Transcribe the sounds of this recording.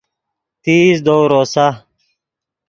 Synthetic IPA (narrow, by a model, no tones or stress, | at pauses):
t̪iːsd̪oːɾoːsa